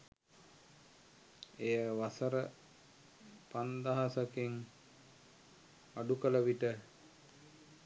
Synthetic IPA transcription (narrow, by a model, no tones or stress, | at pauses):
ejəʋasəɾə | pand̪aɦasakeŋ | aɖukələʋiʈə